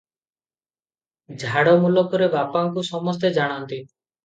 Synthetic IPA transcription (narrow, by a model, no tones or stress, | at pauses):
d͡ʒʱaɽɔmulɔkɔɾebapaŋkusɔmɔst̪ed͡ʒaɽ̃ɔnt̪i